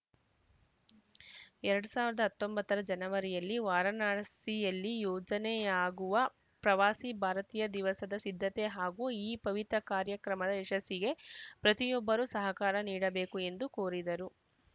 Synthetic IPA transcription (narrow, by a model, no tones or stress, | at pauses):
ɛɾɐɽusaːʋiɾɐd̪ɐɦɐt̪ːo̞mbɐt̪ːɐɾɐd͡ʒɐnɐʋɐɾijɐlːiʋaːɾɐnaːsijɐlːijɔːd͡ʒɐnɛjaːɡuʋɐ | pɾɐʋaːsibʱaːɾɐt̪iːjɐd̪iʋɐsɐd̪ɐsid̪ʱːɐt̪eɦaːɡuiːpɐʋit̪ɾɐkaːɾjɐkɾɐmɐd̪ɐɛʂɐsːiɡe̞pɾɐt̪ijɔbːɐɾusɐɦɐkaːɾɐniːɽɐbe̞ːkue̞nd̪ukoːɾid̪ɐɾu